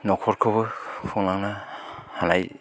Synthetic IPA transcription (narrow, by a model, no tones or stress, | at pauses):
nɔkʰɔɾkʰɯbɯpʰɯŋnaŋnahanaj